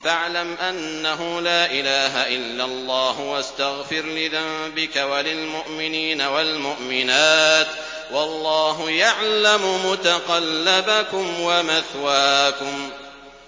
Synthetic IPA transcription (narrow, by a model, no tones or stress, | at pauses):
faʕlamʔanːaɦʊlaːʔɪlaːɦaʔɪlːalˤːɑːhʊwast̪aɣfɪɾlɪðambɪkawalɪlmʊʔmɪniːnawalmʊʔmɪnaːt̪ | wɑlˤːɑːɦʊjaʕlamʊmʊt̪aqɑlːabakʊmwamaθwaːkʊm